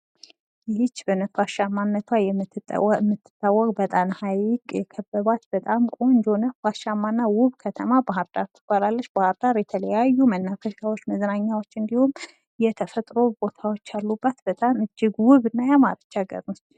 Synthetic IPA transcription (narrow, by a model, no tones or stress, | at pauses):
jɪhɪt͡ʃːbənəfaʃamːanːət̪ʰwajɛm̰mːɨt̪ːɨ̥t̪ʼːawːɔkʼbət̪ʼamhajɪkʼjɛkʰəbːəβat̪bət̪ʼamkʼo̞ɲd͡ʒonəfaʃamːanːawʊβkʰət̪ʰəmabaɦɨɾd̪aɾt̪ʰɨ̥kaɾalːəʃbahɨɾd̪aɾjɛt̪ʰələjajːumənːafəʃawot͡ʃːməznaɲːawo̞t͡ʃːɨnd̪ihum | jɛt̪ʰəfət̪ʼɾo̞bo̞t̪ʰawo̞t͡ʃːalːubːət̪bət̪ʼamɨd͡ʒːɪɡwʊβɨnːajama̰ɾət͡ʃːaɡə̰ɾnot̪